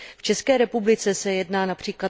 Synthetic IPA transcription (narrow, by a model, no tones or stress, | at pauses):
ft͡ʃɛskɛːɾɛpublɪt͡sɛsɛjɛdnaːnapr̝̥iːkla